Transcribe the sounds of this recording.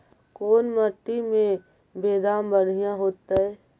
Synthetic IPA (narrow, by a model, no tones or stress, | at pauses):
koːnməʈːimẽ | beːd̪aːmbəɽ̤ijãɦoːt̪aɛ